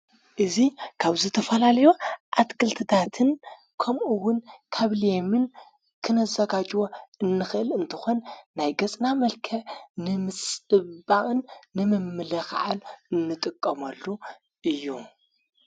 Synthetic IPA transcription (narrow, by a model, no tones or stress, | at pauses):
ʔɨzikʰaβzɨt̪ʰɐfɐlalɐjoʔat̪kʰɨlt̪ʰɨt̪ʰat̪ʰɨn | kʰɐmʔuwːʊnkʰaβlijemɨn | kʰɨnɐzɐɡad͡ʒʼwoɨnːɨxɨʔɨlɨnt̪ʰɨxonːajɡɐt͡sʼnamɐlkʰɐnɨmɨt͡sʼɨbaʔʼɨnːɨmɨmːɨlɐxa̰ʕanɨnːɨt̪ʼɨkʼːɐmɐlːu | ʔɨjːu